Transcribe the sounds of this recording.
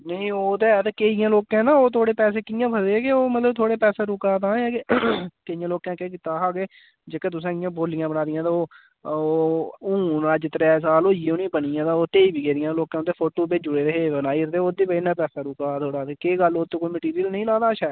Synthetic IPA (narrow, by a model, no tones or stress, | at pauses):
nəĩːoːt̪eːt̪eːkeːɪjãːloːkãːnaːoːt̪ʰoːɽeːpɛːseːkɪjãːpʰəseːkeoːmət̪ləb̚t̪ʰoːɽeːpɛːseːɾʊkaːt̪ãːɛːkekeɪjãːloːkãːkeːkɪt̪aːɦaːɡeː | d͡ʒeːkeːt̪̬ʊs̬ãːɪjãːboːlɪjãːbənaːd̪ɪjãːt̪aːoː | ʊ̃ːnad͡ʒɪt̪ɾɛːs̬aːloːɪjeːoːnĩːbənɪjãːt̪aːoːt̪eːiːbiːɡeːɾɪjãːloːkãt̪eːpʰoːʈoːbeːd͡ʒʊɽeːɾəɦeːbənaːiːt̪eoːd̪iːbəɪnãːpɛːsaːɾʊkaːt̪ʰoːɽaːt̪eːkeːɡəloːt̪õːkoːiːməʈiːɾijəlnəĩlãːd̪aːʃaː